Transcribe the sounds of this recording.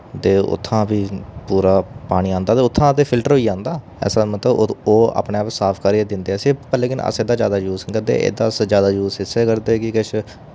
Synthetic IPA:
t̪eːʊ̰t̪ʰːãːbiːpuːɾaːpaːɽ̃iːãːnd̪aːt̪eːʊt̪ʰːãːt̪eːpʰɪlʈəɾɦoːiːãːnd̪aː | ɛ̰ːsãːmət̪ləb̪oːa̰ːpɳeːəpsaːpʰkəɾied̪ɪnd̪eːɛːseːpɛleːkɪnə̰seːd̪aːd͡ʒjaːd̪aːd͡ʒuːzkəɾd̪ḛːʔḛːd̪aːsd͡ʒjaːd̪aːd͡ʒuːsɪseːkəɾd̪eːkɪkɪʃʰ

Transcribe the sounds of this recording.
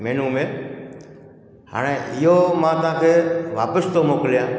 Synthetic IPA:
mɛ̃ːnũːmẽː | ha̰ːɽ̃ẽːʔɪɦoːmãːt̪ʊãːkʰeːʋaːpəst̪oːmoːklijãː

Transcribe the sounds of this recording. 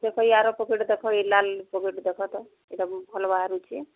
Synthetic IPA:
d͡ʒekʰɔiaɾɔpɔkeʈd̪ekʰɔilalpɔkeʈd̪ekʰɔt̪ɔ | eʈabʱɔlbaaɾut͡ʃʰi

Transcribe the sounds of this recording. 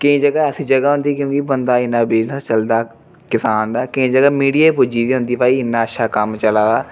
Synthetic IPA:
kɪĩːd͡ʒəɡaːəsĩːd͡ʒəɡaːɦʊ̃nd̪iːkjõːkibənd̪aːɪnːãːbeːd͡ʒnaːt͡ʃəld̪aː | kɪsaːnd̪aːkɪĩːd͡ʒəɡaːmiːɽijaːpʊd͡ʒiːd̪iːɦʊ̃nd̪iːpaːiːɪnːãːətːʃʰaːkəmt͡ʃəlaːɡaː

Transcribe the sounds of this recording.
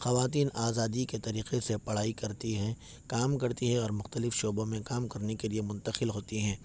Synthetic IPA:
xɐʋaːt̪̬iːnaːzaːd̪iket̪ɐɾiːqesepɐɽ̤aːikɐɾt̪iɦɛ̃ | kaːmkɐɾt̪iɦɛ̃ɔːɾmʊxt̪əlɪfʃoːbõmẽkaːmkɐɾnekeliemʊ̃nt̪əxɪlɦoːt̪iɦɛ̃ː

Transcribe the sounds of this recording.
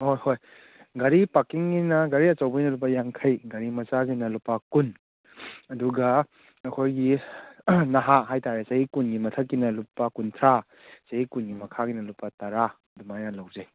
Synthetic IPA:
hojhoj | ɡɐɾipakiŋːinɐɡɐɾiɐt͡ʃɐwbɐjnɐlup̬ːɐjaŋkʰɐjɡɐɾimɐt͡ʃazinɐlupːɐkun | ɐduɡɐ | ɐkʰojɡi | nɐɦaɦajtaɾesɐhikunɡimɐtʰɐkːinɐlupːɐkuntʰɾa | sɐhikunɡimɐkʰaɡinɐlupːɐtɐɾa | dumajnɐlɐwzɐj

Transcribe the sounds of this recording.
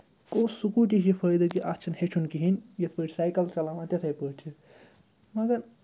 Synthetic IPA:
koːsukuːʈ̪ʲiɦjipʰəjd̪ɐkiʔat͡ʃʰɐnhet͡ʃʰunkiɦinʲjɐt̪ʰpəʈʲsaːjkɐlt͡ʃɐlamãt̪ɐt̪ʰɐjpəːʈʰi | mɐɡɐɾ

